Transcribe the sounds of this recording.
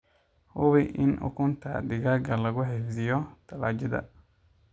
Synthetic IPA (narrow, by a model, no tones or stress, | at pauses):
hʊβɪʔɪ̰nʔʊ̰kʰʊnt̪ʰɐ̰d̪ɪɣaːɡɐlɐɣʊħɛfd̪ɪjɔt̪ʰɐlaːd͡ʒɪðɐ̰